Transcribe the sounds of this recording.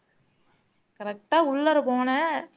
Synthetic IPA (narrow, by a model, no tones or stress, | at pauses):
kɐɾɛk̚ʈaːʊɭːɐɾɯpoːnɐ